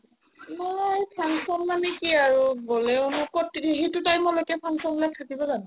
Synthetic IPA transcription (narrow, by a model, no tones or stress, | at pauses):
najpʰaŋsɔnmanɛkiaɹuɡolɛʊnʊkotiɦetutajmɔlojkɛpʰaŋsɔnlak̚tʰakibɔzanʊ